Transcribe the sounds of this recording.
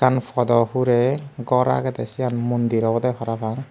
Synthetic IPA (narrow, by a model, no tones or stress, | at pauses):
kanfʰɔd̪ɔɦuɾɛɡɔɾa̰ɡɛd̪ɛsianmund̪iɾɔbɔd̪ɛpʰɔɾabaŋ